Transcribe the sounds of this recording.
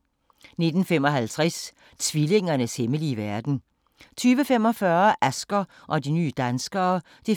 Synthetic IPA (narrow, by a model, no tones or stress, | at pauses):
ne̝d̥n̩femɒ̽ɦælt͡sʰʁɛs | t͡sʰʋile̝ŋ̰ɐnəsheməliːʋæɐd̥n̩ | t͡sʰyːʋəfem̰ɒ̽fɶɐʔæsɡ̥ɐ | ʔɒ̽diny̰ːd̥ænsɡ̥ɐː | d̥i